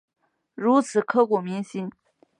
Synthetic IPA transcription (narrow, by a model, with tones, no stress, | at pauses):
ɻu˧˥t͡sʰɹ̩˨˩˦kʰɤ˥˩kɔ˨˩mi˧˥ŋɕi˥n